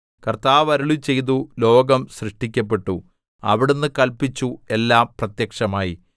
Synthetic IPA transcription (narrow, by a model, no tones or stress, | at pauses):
kɐrt̪aːʋɐɾuɭit͡ɕe̞jt̪̬ulo̞ːɡɐmsrɨʂʈik̬ʲːɐp̬ːe̞ʈːu | ɐ̰ʋiɽenːɨkɐlpit͡ɕːue̞lːaːmprɐt̪jɐkʂɐmaːji